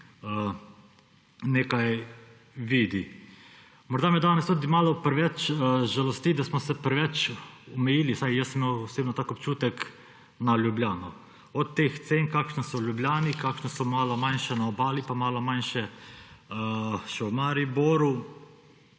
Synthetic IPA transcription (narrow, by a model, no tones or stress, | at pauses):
ə | neːkaj | ʋiːd̪i | mɔɾd̪aːmɛd̪aːnɛst̪ud̪imaːlɔpɾɛʋɛt͡ʃʒalost̪id̪asmɔsɛpɾɛʋɛt͡ʃɔmɛjiːlisajjəsmewoseːbnot̪aːkopt͡ʃuːt̪ɛk | naljublʲaːnɔ | ɔt̪ːeːxt̪seːŋkaːkʃnisɔlʲjublʲaːnikaːkʃnɔsɔmaːlɔmanʃɛnaobaːlipamaːlɔmanʃɛ | əʃɛwmaɾiboːɾu